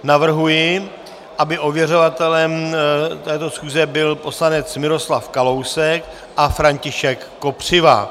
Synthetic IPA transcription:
navr̩ɦujɪ | ʔabɪʔo̞vjɛro̞vat̪ɛlɛmt̪ɛːt̪o̞sxuːzɛbɪlpo̞slanɛt͡smɪɾo̞slafkalo̞wsɛk | ʔafɾaɲcɪʃɛkːo̞pr̝̥ɪva̰

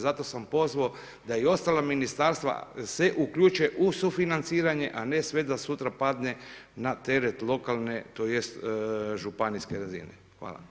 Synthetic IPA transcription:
zat̪o̞sampo̞zʋao | d̪aio̞st̪alaminist̪aɾst̪ʋa̰se̞ʔukʎuːt͡ʃeʔusufinant̪siːɾaɲe̞ʔane̞sʋe̞d̪asut̪ɾapad̪ne̞nat̪e̞ɾet̪lˠo̞kalˠne̞t̪oje̞st̪ʒupaniskeɾazḭnḛ | xʋa̰ːla̰

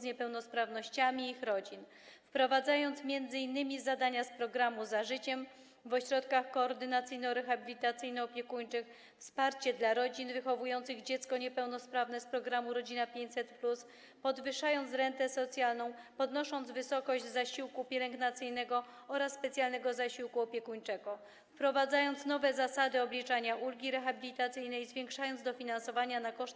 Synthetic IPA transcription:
zɲɛpɛwnɔspɾavnɔɕt͡ɕamʲiixɾɔd͡ʑin | fpɾɔvad̪zajɔnt̪smʲjɛnd̪zɘinːɘmʲizad̪aɲaspɾɔɡɾamuzaʐɘt͡ɕɛm | vɔɕɾɔt̪̚kaxkɔːɾd̪ɘnat̪sɘjnɔɾɛxabʲilʲit̪at̪sɘjnɔːpʲjɛkuɲt͡ʂɘx | fspaɾt͡ɕɛd̪laɾɔd͡ʑinvɘxɔvujɔnt̪sɘɣd͡ʑɛt̪skɔɲɛpɛwnɔspɾavnɛspɾɔɡɾamuɾɔd͡ʑinapʲjeɲt͡ɕʲsɛt̪plus | pɔd̪vɘʂajɔnt̪sɾɛnt̪ɛsɔt̪sʲjalnɔ̃w̃pɔd̪nɔʂɔnt̪zvɘsɔkɔʑd͡ʑzaɕiwkupʲjɛlɛŋɡnat̪sɘjnɛɡɔ | ɔɾasːpɛt̪sʲjalnɛɡɔzaɕiwkuɔpʲjɛkuɲt͡ʂɛɡɔ | fpɾɔvad̪zajɔnt̪snɔvɛzasad̪ɘɔblʲit͡ʂaɲaʔulɡʲiɾɛxabʲilʲit̪at̪sɘjnɛjzvʲjɛŋkʂajɔnt̪d̪ɔfʲinansɔvaɲanakɔʂt̪

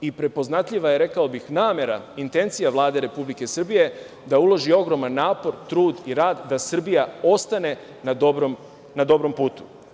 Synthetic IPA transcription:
ipɾe̞po̞znat̪ʎiʋajeɾe̞kao̞bixnaːme̞ɾaint̪e̞nt̪sijaʋlˠaːd̪e̞ɾe̞publike̞sr̩bije̞ | d̪aulo̞ʒio̞ɡɾo̞manːaːpo̞ɾt̪ɾuːd̪iɾaːd̪ːasr̩bijao̞st̪ane̞ | nad̪obɾom | nad̪o̞bɾo̞mpuːt̪u̥

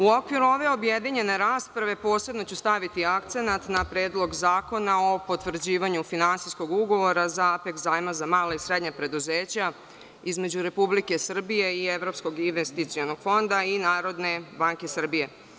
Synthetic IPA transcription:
uo̞kʋiɾuo̞ʋe̞o̞bjed̪iɲe̞ne̞ɾaːspɾaʋe̞po̞ːse̞bno̞t͡ɕust̪aʋit̪iakt̪se̞nat̪napɾeːd̪lˠo̞ɡzaːko̞naopo̞t̪ʋr̩d͡ʑiːʋaɲufinantsisko̞ɡuɡo̞ʋo̞ɾazapekzaːjmazamaːlaisɾe̞d̪ɲapɾe̞d̪uze̞ːt͡ɕa | izme̞d͡ʑuɾe̞publike̞sr̩bije̞ieʋɾo̞psko̞ɡinʋest̪it̪sio̞noɡ̥fo̞nd̪ainaːɾo̞d̪ne̞baŋkesr̩bije̞

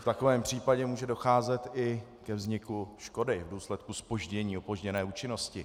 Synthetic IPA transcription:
ft̪akovɛːmpr̝̥iːpaɟɛmuːʒɛdo̞xaːzɛt̪ɪ | kɛvzɲɪkuʃko̞dɪvduːslɛt̪̚kuspo̞ʒɟɛɲiːopo̞ʒɟɛnɛːuːt͡ʃɪno̞scɪ

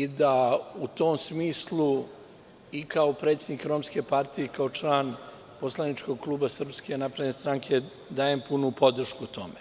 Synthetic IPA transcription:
id̪aut̪oːmsmiːslˠu | ikaopɾe̞t̪se̞d̪nikɾomske̞paɾt̪ije̞kao̞t͡ʃlˠaːn | poslˠanit͡ʃko̞ɡ̚klˠuːbasr̩pske̞napɾed̪nest̪ɾaːŋkʰe̞ | d̪aːjempunupo̞d̪r̩ʃkut̪o̞̰me

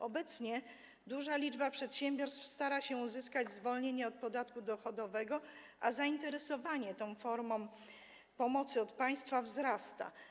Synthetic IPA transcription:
ɔbɛt̪sɲɛ | d̪uʐalʲid͡ʐbapʂɛt̪ɕɛmbʲjɔɾst̪fst̪aɾaɕɛuzɘskad͡ʑzvɔlɲeɲɛɔt̪̚pɔd̪at̪kud̪ɔxɔd̪ɔvɛɡɔ | ʔazaint̪ɛɾɛsɔvaɲɛt̪ɔ̃w̃fɔɾmɔ̃m̃ | pɔmɔt̪sɘɔt̪paj̃st̪favzɾast̪a̰

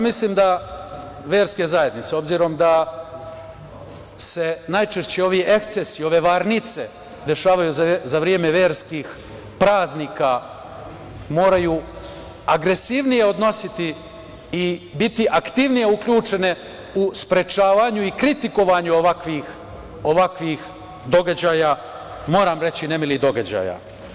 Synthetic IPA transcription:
misliːmd̪a | ʋe̞ːɾske̞zaje̞d̪nit̪seo̞bziːɾo̞md̪a | se̞najt͡ʃeʃt͡ɕeo̞ʋiʔe̞kt̪sesio̞ʋe̞ʋaɾnit̪se̞ | d̪e̞ʃaːʋajuzzaʋɾje̞ːme̞ʋe̞ːɾskix | pɾaːznika | mo̞ːɾajuː | aɡɾe̞siʋnije̞o̞d̪no̞sit̪i | ibit̪iʔakt̪iʋnije̞ukʎʲuːt͡ʃe̞ne̞ | uspɾe̞t͡ʃaːʋaɲuikɾit̪iko̞ʋaɲuoʋakʋix | oʋakʋix | d̪o̞ɡad͡ʑaːja | mo̞ːɾaːmɾe̞t͡ɕine̞milid̪o̞ɡad͡ʑa̰ːja̰

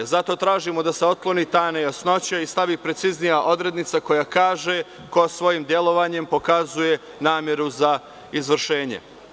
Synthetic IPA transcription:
zat̪o̞t̪ɾaːʒimo̞d̪aseo̞t̪̚klˠo̞niːt̪aːnejasno̞t͡ɕaist̪aʋiːpɾe̞t̪siznijaʔo̞d̪ɾe̞d̪nit̪sako̞jakaːʒe̞ | ko̞asʋo̞jiːmd̪je̞lˠo̞ʋaːɲe̞mpo̞kazuje̞ | naːmʲje̞ɾuza | izʋɾʃeːɲḛ

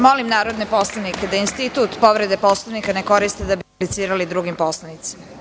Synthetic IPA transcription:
mo̞limnaːɾo̞d̪ne̞po̞slˠanike̞d̪ainst̪it̪uːt̪po̞ʋɾe̞d̪e̞po̞slˠaʋnikane̞ko̞ɾist̪ed̪abiplit̪siːɾalid̪ɾuɡimpo̞slˠanit̪si̥ma

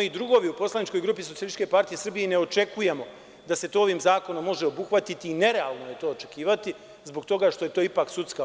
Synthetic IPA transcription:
id̪ɾuɡo̞ʋiupo̞slˠanit͡ʃko̞jɡɾuːpisojelit̪ːt͡ʃke̞paɾt̪ije̞sr̩bijene̞o̞t͡ʃe̞kuje̞mo̞ | d̪ase̞t̪oːo̞ʋiːmzaːko̞no̞mːo̞ʒeo̞buxʋat̪it̪iːne̞ɾealˠnoje̞t̪o̞ːt͡ʃe̞kiːʋat̪i | zbo̞kt̪o̞ɡaʃt̪o̞jet̪o̞ːipaksut̪ska

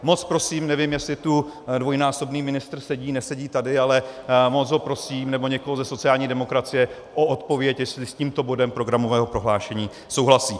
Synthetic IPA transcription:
mo̞t͡spɾo̞siːmnɛvɪmjɛslɪt̪udvo̞jnaːso̞bniːmɪnɪst̪r̩sɛɟiːnɛsɛɟiːt̪adɪalɛmot͡sɦo̞pɾo̞siːmnɛbo̞ɲɛkoɦozɛso̞t͡sɪjaːlɲiːdɛmo̞kɾat͡sɪjɛ | ʔoʔot̪po̞vjɛcjɛslɪsciːmt̪o̞bo̞dɛmpɾo̞ɡɾamo̞vɛːɦo̞pɾo̞ɦlaːʃɛɲiː | so̞wɦlasiː

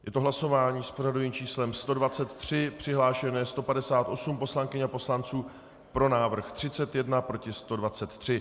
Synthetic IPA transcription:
jʔɛt̪o̞ɦlaso̞vaːɲiːspor̝aduviːmt͡ʃiːslɛmst̪o̞dvat͡sɛt̪ːr̝̥ɪpr̝̥ɪɦlaːʃɛnɛːst̪o̞padɛsaːt̪ʔo̞sumpo̞slaŋkɪɲapo̞slant͡suː | pɾo̞naːvr̩xt̪r̝̥ɪt͡sɛt̪jɛdnapɾocɪst̪o̞dvat͡sɛt̪ːr̝̥ɪ

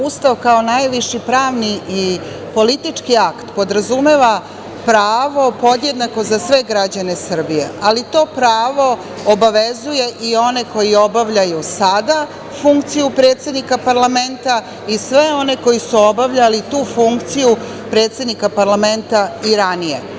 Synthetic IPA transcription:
ust̪aʋkaonajʋiʃipɾaːʋniː | po̞lit̪it͡ʂkiakt̪po̞d̪ɾazume̞ʋa | pɾaːʋo̞po̞d̪je̞d̪nako̞zasʋe̞ɡɾad͡ʑane̞sr̩bijḛalit̪o̞ːpɾaːʋo̞ | obaʋezuje̞ʔio̞ne̞ko̞jio̞baʋʎajusad̪a | fuŋkt̪sijupɾe̞ːt̪sʲe̞d̪nikapaɾlame̞nt̪a | isʋe̞o̞ne̞ko̞jisuo̞baʋʎalit̪uːfuŋkt̪siju | pɾe̞ːt̪se̞d̪nikapaɾlame̞nt̪aiɾanije̞̰

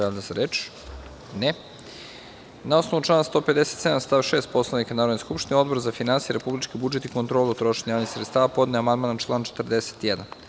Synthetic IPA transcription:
eld̪aseɾet͡ʃ | ne | nao̞snoʋut͡ʃlˠaːnst̪o̞ːpe̞d̪eset̪sed̪amst̪aʋʃeːst̪̚po̞slˠanikanaːɾod̪niskupʃt̪inʲio̞d̪boɾzafinansijeɾepublit͡ʃkibud͡ʒet̪ikont̪ɾoːlˠuot̪ɾo̞ʃeɲajaːʋnixsɾet̪st̪aːʋapo̞d̪neamand̪maːnat͡ʃlˠaːnt͡ʃe̥t̪rd̪ese̥t̪jɛd̪an

